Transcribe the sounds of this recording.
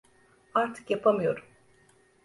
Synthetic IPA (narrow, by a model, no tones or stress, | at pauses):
aɾt̪ʰɯ̥kjapʰamɯjo̞ɾum